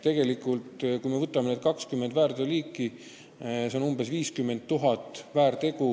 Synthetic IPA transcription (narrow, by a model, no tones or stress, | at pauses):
t̪e̞ɡ̥e̞likˑult̪kujme̞vɤt̪ːˑɑmened̪kɑkskymːend̪væːɾd̪eliːkːˑi | seo̞numb̥e̞sviːskymːe̞nd̪ːuɦɑt̪ːˑvæːɾt̪e̞ɡu